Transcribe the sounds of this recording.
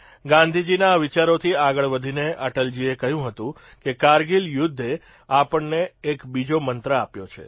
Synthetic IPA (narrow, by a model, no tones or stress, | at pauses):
ɡãnd̪ʱid͡ʒinaːʋit͡ʃaɾot̪ʰiaɡəɭʋəd̪ʱineʔəʈəld͡ʒiekəɦjũɦət̪ũ | kekaɾɡiljʊd̪ʱːe | apəɳneːkbid͡ʒomənt̪ɾəapjot͡ʃʰḛ